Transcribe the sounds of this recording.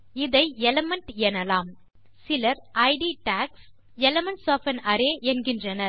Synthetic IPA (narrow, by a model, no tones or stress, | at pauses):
ɪðɐɪɛlɐmɐɳʈɛnɐlaːm | sɪlɐɾʔɐɪɖiːʈaːks | ɛlɐmɐnsoːfɐnɐɾeːʔɛnɡɪndrɐnɐ